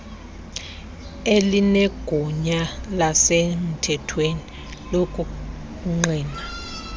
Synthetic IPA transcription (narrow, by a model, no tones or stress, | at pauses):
elinɛɡ̥ʱuɲalasem̩tʰɛtʰweni | lokʼu | kuŋ͡ǀiːna